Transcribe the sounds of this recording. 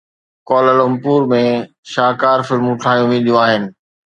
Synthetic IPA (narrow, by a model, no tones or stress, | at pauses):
kɔːlələmpuːɾmẽ | ʃaːkaːɾfɪlmũʈʰaːjũmĩːd̪ijũaːɦɪnɪ̆